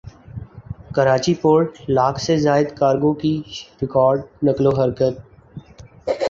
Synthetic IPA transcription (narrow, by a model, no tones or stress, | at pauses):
kəɾaːt͡ʃipoːɖlaːkʰsezaːɪd̪kaːɾɡõkiɾɪkɔːɾɖ̚nɪkloɦəɾkət̪̚